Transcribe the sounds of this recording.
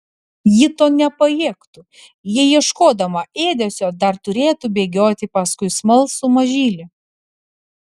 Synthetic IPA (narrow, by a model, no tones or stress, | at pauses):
jɪt̪oːnʲɛpɐjiːkt̪u | jɪjiɛʃkoːd̪ɐmɐʔeːd̪ʲɛsʲoːd̪ɐɾt̪ʊɾʲeːt̪ubʲeːɡʲoːt̪ʲɪpɐskʊɪsmɐlˠsʊmɐʒʲiːlʲɪ